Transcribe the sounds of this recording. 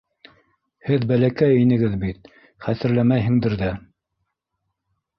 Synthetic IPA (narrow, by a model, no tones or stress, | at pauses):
hɘðbælækæjinɘ̆ɡɘðbit̪̚ | χæθɘ̆ɾlæmæjɦɘ̆ŋd̪ɘɾðæ